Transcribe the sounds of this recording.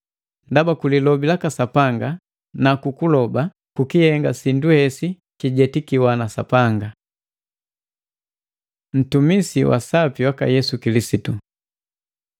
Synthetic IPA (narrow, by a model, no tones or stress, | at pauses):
ndabakulilɔbilakasapaŋɡa | nakukulɔba | kukihɛŋɡasinduhɛsi | kiɟɛtikiwanasa̰paŋɡa | n̩tumisiwa̰sapiwaka̰jɛsukilisitu